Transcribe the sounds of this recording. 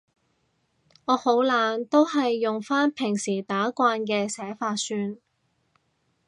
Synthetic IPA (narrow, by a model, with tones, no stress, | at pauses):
ŋɔː˨˧ho˨˥wlaː˨˧nt̪o˥whɐ˨jːʊ˨ŋfaː˥npʰɪ˨˩ŋsiː˨˩t̪aː˨˥kʷaː˧nkɛː˧sɛː˨˥faː˧t̚syː˧n